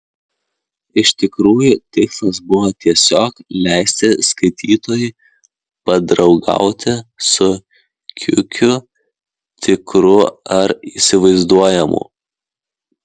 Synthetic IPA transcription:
ɪʃt̪ʲɪkɾuːjuːˑt̪ʲɪkslˠɐsbʊʋoːt̪ʲiɛsʲoːklʲæˑɪsʲt̪ʲɪskɐɪt̪ʲiːt̪oːjɪ | pɐd̪ɾɒʊɡɐ̰ˑʊt̪ʲɪsʊ | kʲʰʊ̰kʲʊ | t̪ʲɪkɾʊɐɾiːsʲɪʋɐɪzd̪uɔjɛmṵː

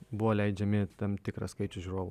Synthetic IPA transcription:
bʊʋoːlʲɛɪd͡ʒʲɛmʲɪt̪ɐmt̪ʲɪkɾɐ̰skɐɪt͡ʃʲʊʒʲuɾoːʋʊ

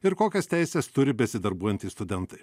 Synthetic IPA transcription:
ɪɾkoːkʲɛst̪ʲæˑɪsʲɛst̪ʊɾʲɪbʲɛsʲɪd̪ɐɾbuɔjɛnʲt̪ʲɪːst̪ʊd̪ʲɛnt̪ɐɪ

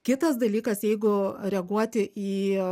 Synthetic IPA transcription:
kʲɪt̪ɐsd̪ɐlʲiːkɐsjɛɪɡʊɾʲɛɡuɔt̪ʲɪʔiː

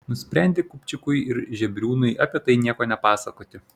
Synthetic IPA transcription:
nʊsʲpʲɾʲɛnʲd̪ʲɪkʊpʲt͡ʃʲɪkʊɪɪɾʒʲɛbʲɾʲuːnʊɪɐpʲiɛt̪ɐɪnʲiɛkoːnʲɛpɑːsɐkoːt̪ʲɪ

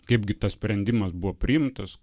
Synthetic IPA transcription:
kɐɪbɡʲɪt̪ɐssʲpʲɾʲɛnʲd̪ʲɪmɐsbuʋoːpʲɾʲɪjɪmt̪ɐs

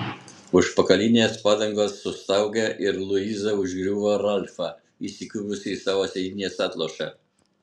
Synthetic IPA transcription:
ʊʃpɐkɐlʲinʲeːspɑːd̪ɐŋɡoːsːʊst̪ɑˑʊɡʲɛʔɪɾlˠʊiːzɐʊʒʲɡɾʲuːʋoːɾɑlʲfɑ | isʲɪkʲuʋʊsʲɪsɑːʋoːsʲɛd̪ʲinʲeːsɑːt̪lˠoːʃɛ̰

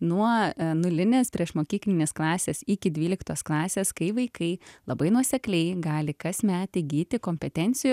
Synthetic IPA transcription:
nuɔnʊlʲɪnʲeːspʲɾʲiɛʃmoːkʲiːklʲɪnʲeːsklˠɑːsʲeːsɪːkʲɪd̪ʲʋʲiːlʲɪkt̪oːsklˠɑːsʲeːskɐɪʋɐɪkʰɐɪlˠɐbɐɪnuɔsʲɛklʲɛɪɡɑːlʲɪkɐsmʲæːt̪ʲɪɡʲiːt̪ʲɪkoːmʲpʲɛt̪ʲɛnʲt̪sʲɪju

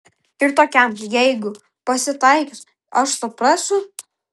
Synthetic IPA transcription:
ɪɾt̪oːkʲɛmjɛɪɡʊ | pɐsʲɪt̪ɐɪkʲɪs | ɐʃsʊpɾɑːsʲʊ

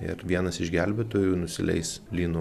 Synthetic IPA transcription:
ɪ̰ɾʋʲiɛnɐsɪʒɡʲælʲbʲeːt̪oːjuːnʊsʲɪlʲɛ̰ɪs | lʲiːnʊ

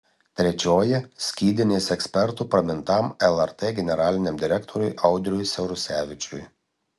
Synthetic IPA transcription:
t̪ʲɾʲɛt͡ʃʲoːjɛsʲkʲiːd̪ʲɪnʲeːsɛksʲpʲɛɾt̪upɾɐmʲɪnt̪ɐmɛlˠɛɾt̪eːɡʲɛnʲɛɾɑːlʲɪnʲɛmd̪ʲɪɾʲɛkt̪ʰɔɾʲʊɪʔɐʊd̪ʲɾʲʊjsʲɛɾʊsʲæːʋʲɪt͡ʃʲʊj

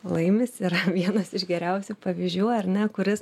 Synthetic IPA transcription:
lˠɐɪmʲɪsɪɾɐʋʲiɛnɐsɪʃɡʲɛɾʲɛʊsʲupɐʋʲiʒʲd͡ʒʲuːɐrnʲɛkʊɾʲɪs

